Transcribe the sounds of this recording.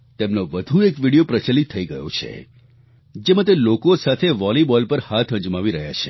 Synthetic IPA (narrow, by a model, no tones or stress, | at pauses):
t̪emnoʋəd̪ʱuekʋiɽijopɾət͡ʃəlit̪ʰːəiɡəjo̰t͡ʃʰḛ | d͡ʒemãt̪̬elokosat̪ʰeʋɔlibɔlpəɾhat̪ʰə̃ɲd͡ʒmaʋiɾəɦja̰t͡ʃʰe̥